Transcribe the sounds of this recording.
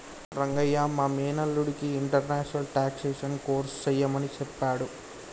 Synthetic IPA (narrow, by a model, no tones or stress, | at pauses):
ɾɐŋɡɐjːaːmaːmɛːnɐlːuɽikiːɳʈɐɾnaːʂɐnɐlʈaːkseːʂɐnko̞ːɾst͡ʃɛjːɐmɐnit͡ʃɛpːaːɽu